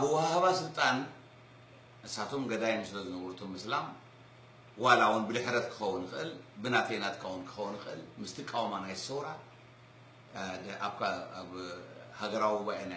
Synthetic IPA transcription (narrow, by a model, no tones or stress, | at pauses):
ʔaβɨwahhaβasɨlt̪ʼan | ʔɨsːat̪ʰo̞mɡɐd̪ajmsɨlɐzɨnɐβɾut̪ʰomːɨslam | walawunbɨlɨħɾɐt̪kʰɨ̥xɐwːunɨxɨʔɨlbɨnat̪ʰejnat̪kʰawunkʰɨ̥xɐwːunɨxʔɨ̰lmɨst̪ʰikʼawmanajɨsɐwɾa | aβkʰaaβhaɡɐɾawibajana